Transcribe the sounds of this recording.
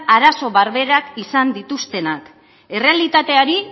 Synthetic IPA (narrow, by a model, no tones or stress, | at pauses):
aɾaso̞βaɾβe̞ɾakisand̪it̪ust̪e̞nak | e̞re̞alit̪at̪e̞aɾi